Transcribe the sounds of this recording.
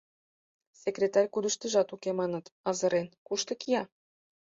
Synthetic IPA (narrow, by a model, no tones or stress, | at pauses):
sekrʲet̪ɑrʲkud̪ə̆ʃt̪ə̆ʒɑt̪ukemɑnə̆t̪ɑzɤ̆ɾʔenkuʃt̪ə̆kijɑ